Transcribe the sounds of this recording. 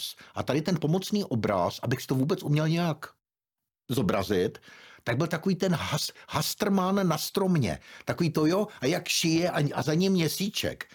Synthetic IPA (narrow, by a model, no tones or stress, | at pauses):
sʔat̪aɾɪt̪ɛnpomo̞t͡sniːʔo̞bɾa̰sʔabɪxsɪ̥t̪o̞vuːbɛt͡sʔumɲɛlɲɛjak | zo̞bɾa̰zɪt̪t̪aɡ̚bɪlt̪ako̞viːt̪ɛnɦashast̪r̩manːast̪ɾo̞mɲɛ̰t̪akoviːt̪ojo̞ajakʃɪjɛʔaazaɲɪmɲɛsiːt͡ʃɛ̰k